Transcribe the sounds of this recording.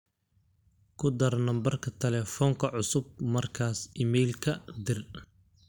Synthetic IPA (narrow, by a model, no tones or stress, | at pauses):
kʰʊd̪ɐrnɐmbɐrkʰɐt̪ʰɛlɛːfɔːŋkʰɐʕʊsʊb̚mɐrkʰaːsiːmɛjlkʰɐd̪ɪr